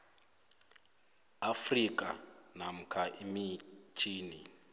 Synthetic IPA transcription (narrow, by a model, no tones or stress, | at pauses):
afrikʼa̰nam̩kʰaʔemit͡ʃʰiːni